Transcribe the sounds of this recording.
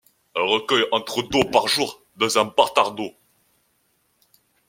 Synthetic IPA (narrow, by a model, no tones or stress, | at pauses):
ə̃ʁəkœjɑ̃t̪χəd̪opaʁʒuʁ | d̪ɑ̃zɛ̃paʁt̪aʁd̪o